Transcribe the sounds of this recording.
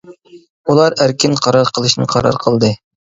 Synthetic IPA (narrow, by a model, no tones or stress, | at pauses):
ulˠɑɾæɾkʲʰinqʰɑɾɑɾqʰəlˠɨʃnɨqʰɑɾɑ̰ɾqʰəlˠd̪ɨ